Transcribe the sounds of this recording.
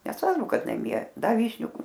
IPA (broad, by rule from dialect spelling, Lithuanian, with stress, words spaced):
nʲɛsˈʋɐrbʊ ˈkɐt nɐˈmʲiɛ ˈdɑːˈʋʲiːʃʲnʲʊ